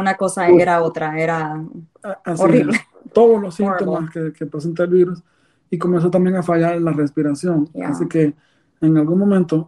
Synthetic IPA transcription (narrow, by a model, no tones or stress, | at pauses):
unako̞saeɾaot̪ɾaeɾa | asoriβle | t̪o̞ðoslo̞sːint̪omaskekepɾes̬ent̪aelβiɾus | iko̞mens̬o̞t̪ambje̞ŋafaʝaɾlarespiɾasjo̞ŋasike̞ː | ŋalɣunmomẽnt̪o